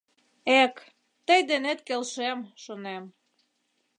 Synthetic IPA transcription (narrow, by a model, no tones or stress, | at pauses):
ek | t̪əjd̪enet̪kelʃemʃonem